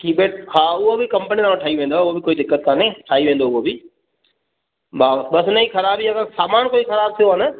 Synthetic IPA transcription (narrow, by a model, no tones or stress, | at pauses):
kiːbeːʈkʰaːʊɦobɪkɐ̃mpəniaːmãʈʰaːiʋẽːnd̪oʊobɪkoːid̪ɪkːət̪̚kʰãːnẽʈʰaːiʋẽːn̆d̪oʊɦobɪ | baːbɐsnɐĩxɐɾaːbiɐɡəɾsaːmaːnkoːixɐɾaːb̚t̪ʰijoɦanɪ